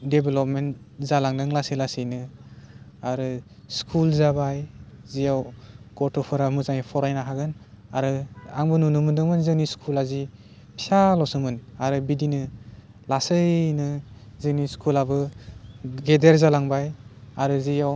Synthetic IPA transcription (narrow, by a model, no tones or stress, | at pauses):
debelɔp̚ment | zalaŋdɯŋlasilasɯjnɯ | aɾɯ | skʰulzabajzijawɡ̥ɔtʰɔpʰɯɾamɯzajpʰɔɾajnaɦaɡɯn | aɾɯaŋbɯnunumɯndɯŋmɯnzɯŋniskʰulazi | pʰi̥salɔsɯmɯnaɾɯbidinɯ | lasɯjnɯzɯniskʰulabɯ | ɡedeɾzalaŋbajaɾɯzijaw